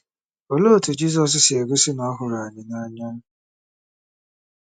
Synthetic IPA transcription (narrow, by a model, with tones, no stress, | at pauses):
o˨lo˦˨tʰu˨d͡ʑi˦s̬ɔ˦s̬sɪ˨ɛ˨ɡʊ˦si˦nʊ̃˨a˦ɦʊ˨ɾa˨ɲɪ̃˨nã˦a˦ɲã˦n˦